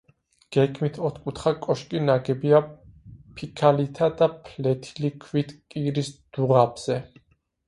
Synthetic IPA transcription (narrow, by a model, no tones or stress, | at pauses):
ɡ̥ɛkʰmit̪ʰɔt̪ʰkʼut̪ʰχakʼɔʃkʼinaɡɛbia | pʰikʰalit̪ʰad̪apʰlɛt̪ʰilikʰwit̪ʰkʼiɾisd̪̥uʁabz̥ɛ